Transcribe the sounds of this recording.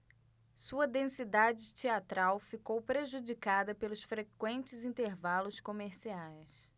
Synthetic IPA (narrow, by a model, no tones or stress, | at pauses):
suɐd̪ẽsid̪ad͡ʒɪt͡ʃiat̪ɾawfikowpɾeʒud͡ʒikad̪ɐpelʊsfɾekwẽnt͡ʃɪzĩnt̪eɾvalʊskomeɾsiajs